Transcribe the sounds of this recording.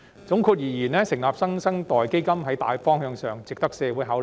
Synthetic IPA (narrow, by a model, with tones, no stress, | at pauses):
t͡sʊ˨˥ŋkʰuː˧k̚jiː˨˩jiː˨˩nɛː˥sɪ˨˩ŋlaː˨p̚sɐ˥ŋsɐ˥ŋt̪ɔː˨jke˥jkɐ˥mɦɐ˨˥jt̪a̰ː˨˧jfɔː˥ŋɦœː˨˧ŋsœː˨ŋt͡sɪ˨k̚t̪ɐ˥k̚sɛː˧wuː˨˥jɦaː˨˥wl